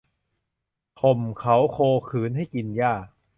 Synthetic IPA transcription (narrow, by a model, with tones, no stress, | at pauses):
pʰo˨˩mkʰa˦˥wkʰoː˧kʰɯː˩˦nɦa˥˩jki˧njaː˥˩k̚